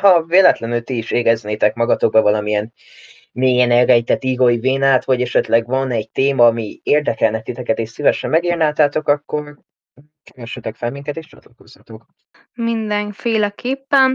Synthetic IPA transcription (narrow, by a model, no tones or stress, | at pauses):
hɒveːlɛt̪lɛnylt̪iːʃeːɡɛzneːt̪ɛkmɒɡɒt̪o̞ɡ̚bɛvɒlɒmiɛn | meːɛnɛrɛjt̪ɛt̪ːiɡojiveːnaːt̪ʋɒɟɛʃɛt̪lɛɡvɒnɛɟ̚t̪eːmɒːmieːrd̪ɛkɛlnɛk̚t̪it̪ɛkɛt̪eːʃsivɛʃɛmːɛɡiːrnaːt̪aːt̪o̞kɒkːo̞r | kɛɾɛʃːɛt̪ɛkfɛlmiŋkɛt̪eːʃt͡ʃɒ̰t̪lɒko̞zːɒt̪o̞k | mind̪ɛnfeːlɛkʰeːpːɛn